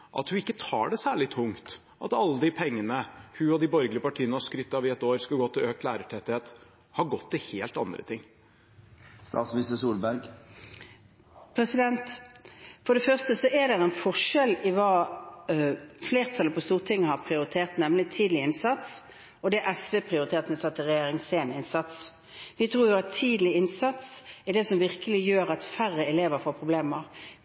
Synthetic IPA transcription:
ʔɑ̰t̪hʉɪkːət̪ʰɑ̰ːɖɛsæːɭɪt̪ʰʊŋt̪ | ʔɑ̰t̪ɑlːəd̪ɪpʰɛŋːənəhʉɔd̪ɪbɔɾɡlɪəpɑʈʰiːənəhɑskɾʏt̪ːɑʋɪɛt̪oːɾskɑlɡɔt̪ʰːɪløːkt̪læːɾəʈʰɛt̪ːɪheːt̪ | hɑɾɡɔt̪ʰːɪheːlt̪ɑnd̪ɾə̰t̪ʰɪŋː | st̪ɑ̰ːt̪smnɪst̪əsuːlbæɾɡ | pʰɾɛsɪd̪ɛnt̪ | fɔɖɛfœʁst̪əsɔɛd̪ɛɾɛnfɔʂɛlɪʋɑː | fleːʁt̪ʰɑləpʰɔst̪uːʁt̪ʰɪŋːəhɑʁpʰʁɪʊɾɪt̪ʰeːʁt̪nɛmlɪt̪ʰiːd̪lɪɪnsɑt̪s | ɔd̪ɛʔɛsʋeːpʰʁɪʊɾɪt̪ʰeːt̪ənəsɑt̪ʰːɪʁɛjeːɾɪŋseːnɪnsɑt̪s | ʋɪt̪ʰɾuːɾjʊɑt̪ʰːiːd̪əlɪɪnsɑt̪sɛɖ̪ɛsɔmʋɪʁkəlɪjøːɾɑt̪færəɛleːʋəɾfoːɾpʰʁʊbleːməʁ

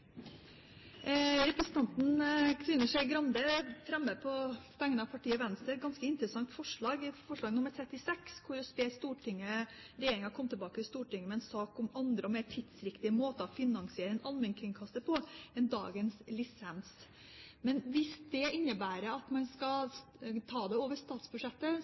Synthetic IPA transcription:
ɾɛpɾɛsənt̪ɑnt̪n̩kʰɾɪnːəʂɛɪɡɾɑnd̪əfɾɛmːəpʰɔbɛŋːənəɑʋpʰɑʈʰiːəɔʋɛnst̪ɾəɛt̪̚ɡɑnskəɪnt̪əɾəsɑŋt̪fɔʂɭɑːɡfɔʂɭɑːɡnʊməɾt̪ʰɾɛt̪ːɪsɛkskʰʊɾɔspɛːst̪uːʈʰɪŋːə | ɾɛjeːɾɪŋɑkʰɔmt̪ʰɪlbɑːkət̪ɪst̪uːʈɪŋːəmɛɛnsɑːkɔmɑnd̪ɾəɔmeːʈʰɪd̪̥sɾɪkt̪ɪəmoːt̪əɔfɪnɑŋsɪeːɾəɛnʔɑlmɛnkʰɪŋkʰɑst̪əpʰɔɛnd̪ɑ̰ːɡənslɪsɛns | mɛnʋɪsd̪ɛɪnːəbæːɾəɑt̪mɑnskɑ | t̪ʰɑːd̪ɛoːʋəʂt̪ɑːt̪sbʉʂɛt̪ːə

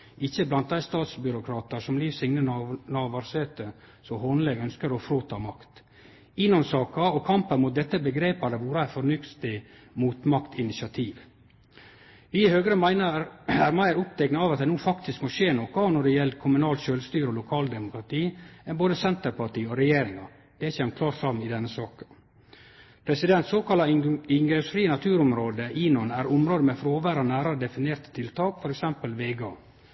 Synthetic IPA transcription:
ɪçːəblɑnt̪̚d̪æɪst̪ɑːt̪sbʏɾʊkʰɾɑːt̪ɑʂɔmliːʋsɪŋnənɑːʋɑɾseːt̪ə | sɔhɔnlɛɡœnskəɾɔfɾoːt̪ʰɑːmɑkt̪ | ɪnːɔmsɑːkɑɔkʰɑmpənmʊt̪̚d̪ɛt̪ːəbəɡɾeːpæɾd̪əʋuːɾəæɪfɔɾnʏkt̪ɪ | muːt̪mɑkt̪ɪnɪsɪɑt̪ʰiːʋ | ʋɪhøːɡəɾəmæɪnəɾhæːɾmæɪəɾʊp̚t̪ʰɛknəɑʋɑt̪d̪ɛnuːfɑkt̪ɪskmɔʃeːnoːkɔnɔɖɛjɛləkʰʊmʉnɑːlʃøːlst̪yːɾɔlʊkʰɑːld̪ɛmʊkɾɑt̪ʰiːɛboːd̪əsɛnt̪əɾpɑʈiːɔɾɛjeːɾɪŋɑ | d̪̥ɛçɛmkʰlɑːʈsɑmɪd̪ɛnːəsɑːkə | pʰɾɛsɪd̪ɛnt̪soːkʰɑlɑɪŋɡɾɛsfɾiːənɑt̪ʰʉːɾʊmɾoːd̪əʔiːnɔnæɾʊmɾoːd̪əmɛfɾoːʋæːɾɑnæːɾɑɾəd̪ɛfɪneːɾt̪ə̥t̪ʰɪlt̪ʰɑːkfɔɾɛksɛmpəlʋeːɡɑː

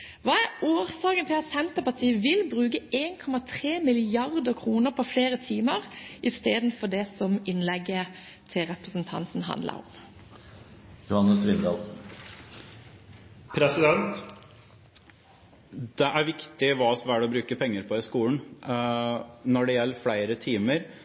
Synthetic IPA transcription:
ʋɑːæɾoːɾsɑːkənt̪ʰɪlɑt̪sɛnt̪əpɑt̪ʰiːəʋɪlbʁʉːkəeːnkʰɔmɑt̪ʰɾeːmɪlɪɑʁd̪əkʰʁuːnəɾpʰɔfleːɾət̪ʰiːməʁʔɪst̪eːd̪n̩fɔd̪ɛsɔmɪnlɛɡːə | t̪ʰɪlʁɛpɾəsənt̪ʰɑ̰nt̪n̩ɦɑ̰nd̪lə̰ɾɔ̰m | jʊhɑnːəsʋɪnd̪ɑl | pʰɾɛsɪd̪ɛnt̪ | d̪̥ɛʔæɾʋɪkt̪ɪʋɑːsɔmæɖɛɔbɾʉːkəpʰɛŋːəɾpʰɔɪskuːn | nɔɖɛjɛlːəflæɪɾət̪ʰiːməɾ

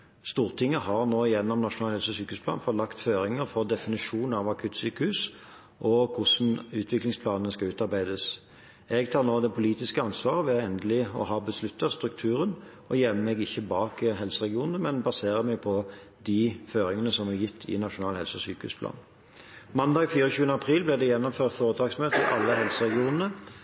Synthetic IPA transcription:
st̪uːʁt̪ʰɪŋːəhɑʁnoːɪjɛnːɔmnɑʂʊnɑːlhɛlsəsyːkəhʉspʰlɑ̰ːnfɔt̪lɑkt̪føːɾɪŋəɾfɔʁd̪ɛfɪnɪʂuːnɑʋɑkʰʉt̪syːkəhʉs | ʔɔkʰʊsn̩ʉːt̪ʰʋɪklɪŋspʰlɑːnnəskɑʉːt̪ɑɾbæɪd̪əs | ɛɡt̪ʰɑːʁnoːd̪ɛpʰʊliːt̪ɪskəɑnsʋɑːʁəʋɛɛnd̪əlɪɔ̰ɦɑːbəslʉt̪ːɑst̪ɾʉk̚t̪ʰʉːɾənʔɔjɛnməmɛɡɪçːəbɑːkɦɛlsəʁɛɡɪuːnnəmɛnbɑseːʁəmɛɡ̚pʰɔ | d̪iføːɾɪŋənəsɔmɛjɪt̪ʰːɪ̰nɑʂʊnɑːlhɛ̰lsəɔsyːkəhʉ̰ːsplɑ̰ːn | mɑnd̪ɑːɡfyːɾɔçʉːənəɑpʰɾiːlblɪd̪ɛjɛnːɔmføːʁt̪foːɾəd̪ɑːɡsmøːt̪əɪʔɑlːəɦɛlsəʁɛɡɪuːnənə

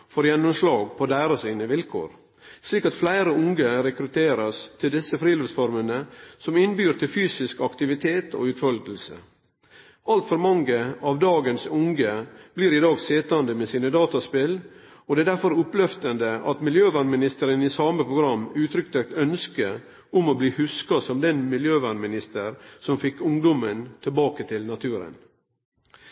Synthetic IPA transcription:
fɔɾjɛnːʊmslɑːɡpʰɔd̪æːɾɑsiːnəʋɪlkʰo̰ːɾ | sliːkɑt̪flæɪɾəʊŋɡəɾɛkɾʉt̪ʰeːɾəst̪ʰɪld̪ɪsəfɾiːloːsfɔɾmənəsɔmɪnbyːɾt̪ʰɪlfyːsɪskɑkt̪ɪʋɪt̪ʰeːt̪ʰo̰ːʉt̪fɔlɡəlsə̰ | ɑlt̪fɔɾmɑŋɡəɑʋd̪ɑːɡənsʊŋɡəb̥liːɾɪd̪ɑːɡseːt̪ɑnd̪əmeːsiːnəd̪ɑːt̪ɑspɪl | ɔd̪ɛæd̪æɾfɔɾʊplœft̪ənd̪əɑt̪mɪljøːʋæːɳmɪnɪst̪əɾənisɑːməpʰɾʊɡɾɑmːʉːt̪ʰɾʏk̚t̪ʰɛk̚t̪œnskə | ʊmɔbliːhʉskɑsɔmd̪ɛnmɪljøːʋæːɳmɪnɪst̪əɾsɔmfɪkːʊŋd̪ɔmənt̪ʰɪlbɑːkət̪ʰɪlnɑt̪ʰʉːɾə̰n

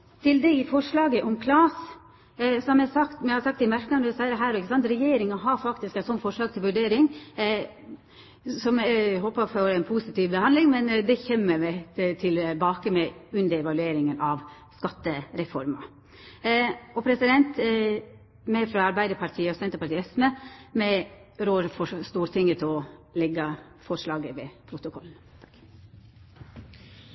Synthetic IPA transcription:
t̪ʰɪld̪ɛɪfɔʂɭɑːɡəʔɔmkʰlɑːs | sɔmɛsɑkt̪mɛhɑsɑkt̪ːɪmæɾknɑnd̪ʉsæɪɾəɦæːɾɔɪkːəsɑnt̪ɾɛjeːɾɪŋɑɦɑɾfɑkt̪ɪskæsɔnfɔʂɭɑːɡ̚t̪ʰɪlʋʉɖeːɾɪŋ | sɔmɦɔːpɑfɔɾɛɪnpʰuːsɪt̪iːʋbəhɑnlɪŋmɛnd̪ɛçɛmːəɾmɛt̪ʰɪlbɑːkəmɛʉnd̪əɾɛʋɑlʉeːɾɪŋənɑʋ | skɑt̪ːəɾɛfɔɾmɑ̰ | ɔpʰɾɛsɪd̪ɛnt̪ | mɛfɾɑɑɾbæɪd̪əpʰɑʈʰiːəɔsɛnt̪əɾpɑʈ̪iːɛsməmɛɾoːɾfɔst̪uːɾt̪ʰɪŋːət̪ʰɪɔlɛɡɑ | fɔʂlɑːɡəʋɛpʰɾʊt̪ʊkʰɔln̩

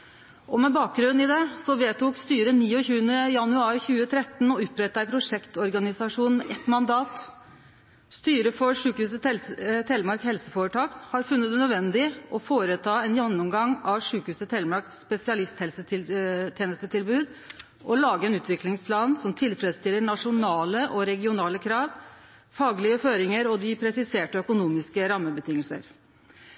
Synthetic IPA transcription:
ʔɔmɛbɑːk̚ɡɾʉnɪd̪ɛsɔʋeːt̪ʰʊkst̪yːɾəniːɔçʉːənəjɑnʉɑːɾçʉːət̪ʰɾɛt̪ːn̩ɔʉpːɾɛt̪ːəæɪpʰɾʊʂɛkt̪ɔɾɡɑnɪsɑʂuːnn̩mɛʔɛt̪mɑnd̪ɑːt̪ | st̪yːɾəfɔʂʉːkhʉːsəlt̪ʰɛlmɑɾkhɛlsəfoːɾəʈʰɑːkhɑɾfʉnːət̪nœd̪ʋɛnd̪ɪʔɔfoːɾət̪ʰɑːɛnjɛnːʊmɡɑŋɑʋʂʉːkəhʉːsət̪ʰɛlmɑɾkspɛsɪɑlɪst̪hɛlsəɪt̪ʰjeːnəst̪ət̪ʰɪlbʉːd̪ | ʔɔlɑːɡəɾɛnʉːt̪ʰʋɪklɪŋspʰlɑːnsɔmt̪ʰɪlfɾɛd̪st̪ɪlːəɳɑʂʊnɑːləʔɔɾɛɡɪʊnɑːləkʰɾɑːʋ | fɑːɡlɪəføːɾɪŋəɾɔd̪ɪpʰɾɛsɪseːʈəœkʊnuːmɪskəɾɑmːəbət̪ʰɪŋːəlsə̰ɾ

